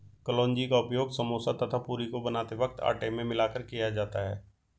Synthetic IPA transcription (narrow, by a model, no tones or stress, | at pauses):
kəlɔ̃ːnd͡ʒikaʊpjoːɡsəmoːsat̪ʰət̪ʰapuːɾikobənaːt̪eʋək̚t̪a̰ːʈemẽmɪlaːkəɾkijad͡ʒaːt̪aɦɛ̰ː